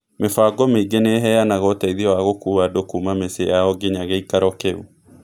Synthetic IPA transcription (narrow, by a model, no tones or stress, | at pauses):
mefaɡɔmeiɡeneɦɛjanaɣɔtaiðiɔwaɣokuːadokuːmamesejaɔɡeɲaɣeikaɾɔkeu